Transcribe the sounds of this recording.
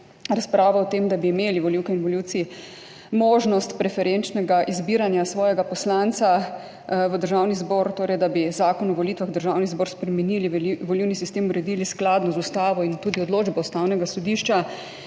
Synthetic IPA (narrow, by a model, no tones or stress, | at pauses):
ɾaspɾaːʋaɔt̪emd̪abiːmeːliʋɔliːwkɛinʋɔliwt̪si | moːʒnɔst̪pɾɛfɛɾent͡ʃnɛɡaʔizbiːɾanjasʋɔːjɛɡapɔslant̪sa | ʋəd̪əɾʒaːwnizbɔɾt̪oːɾɛjd̪abizaːkɔnɔʋɔlit̪ʋaɣd̪əɾʒawnizbɔːɾspɾɛmɛniːliʋɔliwnisist̪eːmuɾɛd̪ilisklad̪nɔzust̪aːʋɔint̪uːd̪iɔd̪loːd͡ʒbɛust̪awnɛɡasɔd̪iʃt͡ʃa